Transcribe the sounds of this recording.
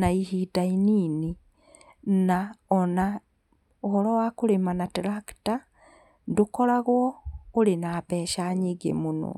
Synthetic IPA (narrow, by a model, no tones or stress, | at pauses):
naihidainiːni | naɔna | ohɔɾɔwakoɾemanatɾakta | ndokɔɾaɣwɔoɾenaːpɛːʃaɲiɡḛmono̰